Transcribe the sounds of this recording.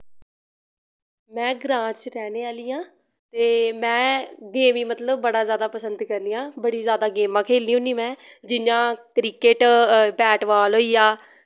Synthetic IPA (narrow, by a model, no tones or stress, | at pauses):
mɛ̃ːɡɾãːt͡ʃɾɛːneːaːliːãː | t̪eːmɛ̃ːɡeːmiːmət̪ləbːəɽaːzjaːd̪aːpəsənd̪kəɾnijãːbəɽiːzjaːd̪aːɡeːmãːkʰeːliːũːniːmɛ̃ːd͡ʒɪnãːkɾɪkeːʈbɛːʈʋaːlɦoːiːaː